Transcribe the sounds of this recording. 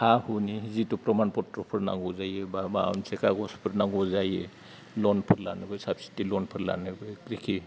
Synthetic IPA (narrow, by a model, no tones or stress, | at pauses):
hahunizitupɾɔmanpɔtɾɔpʰɯɾna̰ŋɡɔzajebaba̰nsɛkaɡɔspʰɯɾnaɡɔzaje | lɔnpʰɯɾla̰nɯbɯjsabsi̥tilɔnpʰɯɾla̰nɯbɯjkɾikʰi